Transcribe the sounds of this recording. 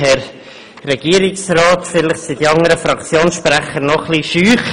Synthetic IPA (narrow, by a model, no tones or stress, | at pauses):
hɛɾ | rɛɡ̥iəɾɪksrɑːtfɪlɪχsidiɑŋəɾəfɾɑkt͡sjoːnsʃpɾæχəɾnɔχliʃyːχ